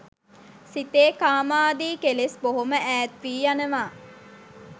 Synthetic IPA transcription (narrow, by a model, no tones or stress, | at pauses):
sit̪eːkaːmaːd̪iːkelesboɦoməʔæːt̪ʋiːjanəʋaː